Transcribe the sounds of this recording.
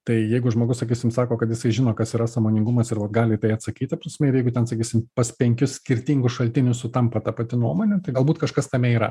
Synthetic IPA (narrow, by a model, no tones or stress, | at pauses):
t̪ɐɪjɛɪɡʊʒmoːɡʊsɐkʲiːsʲɪmsɑːkoːkɐt̪jɪsɐɪʒʲɪnoːkɐsiːɾɐsɐmoːnʲɪŋɡʊmɐsɪɾʋɐt̪ɡɑːlʲɪt̪ɐɪɐt̪sɐkʲiːt̪ʲɐpɾɐsʲmʲɛɪɾjɛɪɡʊt̪ʲɛnsɐkʲiːsʲɪmpɐspʲɛŋʲkʲʊssʲkʲɪɾʲt̪ʲiŋɡʊʃɐlʲt̪ʲɪnʲʊsʊt̪ɐmpɐt̪ɐpɐt̪ʲɪnuɔmoːnʲɛt̪ɐɪɡɐlˠbuːt̪kɐʃkɐst̪ɐmʲɛiːɾɐ̰